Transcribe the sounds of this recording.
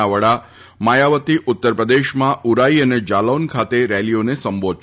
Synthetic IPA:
aʋəɽa | majaʋət̪iʔʊt̪ːəɾpɾəd̪eʃmãuɾaiəned͡ʒalonkʰat̪eɾɛlionesəmbod̪̚

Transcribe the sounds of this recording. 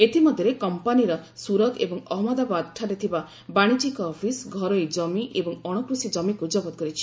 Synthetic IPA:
et̪imɔd̪ʱjɾekɔmpaniɾɔsuɾɔɡebɔŋɔɦmɔd̪abad̪ʈʰaʈet̪ʰiba | baɽ̃it͡ʃikɔːpʰisɡʱɔɾɔjd͡ʒɔmiʔebɔŋɔɽ̃okɾusid͡ʒɔmikud͡ʒɔɡɔt̪̚kɔɾit͡ʃʰi̥

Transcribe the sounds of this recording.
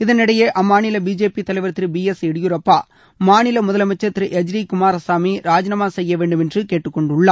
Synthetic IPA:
ɪðɐnɪɽɐjɐːʔɐmːaːnɪlɐbiːd͡ʒeːpit̪ːɐlɐɪʋɐɾt̪ːɪɾɯbiːɛsɛɽɪjʊɾɐpːaː | maːnɪlɐmʊðɐlɐmɐt͡ʃːɐt̪ːɪɾɯʔɛd͡ʒɾikʊmaːɾɐsaːmiɾaːd͡ʒɐnɐmaːsɛjːɐʋeːɳɖɯmɛndrɯkeːʈːɯkːɔɳɖʊɭːaː

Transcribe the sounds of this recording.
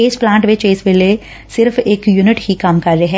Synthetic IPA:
eːsplãːɳʈʋɪt͡ʃesʋeːle | sɪɾfeːkjuːnɪʈhikaːmkɐɾːɐeɦɛ

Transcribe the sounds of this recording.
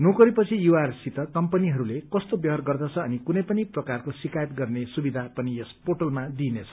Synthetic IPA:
nokʌɾipʌt͡sʰijuarsit̪ʌkʌmpʌniɦʌɾulekʌst̪objʌɦʌrɡʌrd̪ʌt͡sʰʌːnikunʌjpʌniprʌkarkosikajʌt̪ɡʌrnesubid̪ʱapʌnijʌspoʈʌlmad̪inet͡sʰʌ̥

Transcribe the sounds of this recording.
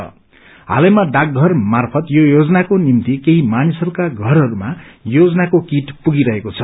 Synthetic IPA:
ʌ̰ | ɦa̰lʌjmaɖak̚ɡʱʌrmarpʰʌt̪jojod͡zʌnakonimt̪ikeɦimanisʌɾukaɡʱʌɾɦʌɾumajod͡zʌnakokiʈpuɡiɾʌɦekot͡sʰʌ

